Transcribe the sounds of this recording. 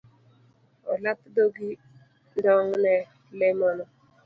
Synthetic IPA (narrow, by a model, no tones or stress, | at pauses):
ɔ̰latdoɡi | ndɔŋnɛ | lemɔnɔ